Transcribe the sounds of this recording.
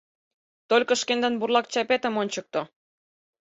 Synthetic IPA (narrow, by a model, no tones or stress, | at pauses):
t̪olʲkə̆ʃkend̪ə̆nburlɑk̚t͡ɕɑpet̪ə̆monʲt͡ɕək̚t̪o